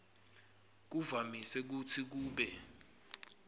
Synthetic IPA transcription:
k̬uvamisɛk̬utʰik̬uːɓɛ

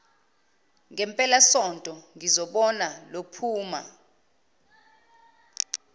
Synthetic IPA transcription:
ŋɛmpʼɛlasɔntʼɔŋizɔɓɔnalopʰuːma̰

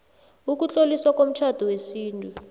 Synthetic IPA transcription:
uk̬ut͡ɬʼoliswak̬ʼom̩t͡ʃʰad̥ʱɔwesiːntʼu

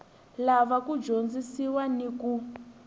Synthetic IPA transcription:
laβakud͡ʒond͡zisiwaniku

